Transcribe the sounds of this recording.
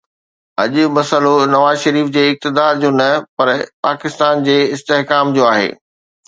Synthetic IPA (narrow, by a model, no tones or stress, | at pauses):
ɐ̰ʄʊ̆mɐsəlonɐʋaːzʃɐɾiːfd͡ʑeːɪk̚t̪ɪd̪aːɾd͡ʑoːnɐpɐɾpaːkɪst̪aːnd͡ʑeːɪst̪eɦkaːmd͡ʑoːaːɦḛː